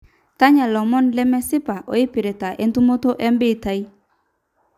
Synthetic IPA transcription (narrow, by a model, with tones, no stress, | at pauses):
ta˦ɲa˨lɔ˨mɔ˦nlɛ˦mɛ˦sɪ˦pa˨ʔo̰˨ɪ˦pi˨ɾe˨ta˨ʔe˦ntu˦mo˦to˦ʔɛ˦mbɪ˦˨ta˦i˦